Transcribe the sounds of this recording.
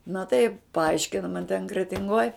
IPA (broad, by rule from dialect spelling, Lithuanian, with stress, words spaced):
nɐ tɐɪ pɐˈɐɪʃʲkʲɪnɐ mɐn tʲɛn krʲɛtʲɪŋˈɡoːj